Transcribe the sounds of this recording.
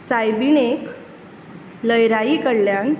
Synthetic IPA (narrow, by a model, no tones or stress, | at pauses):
sajbinek | ləjɾaikəɽljan